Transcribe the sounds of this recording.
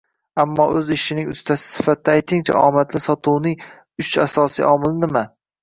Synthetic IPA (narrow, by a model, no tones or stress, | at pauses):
amːɒʔɵzɪʃɪnɪŋʊ̰st̪ʰasɪ̥sɪ̥fat̪̚d̪aːjt̪ʰɪŋt͡ʃʰa̰ʔɒmat̪lɪsɒt̪ʰuwnɪŋ | ʊt͡ʃa̰sɒsḭʔɒmɪlɪnɪma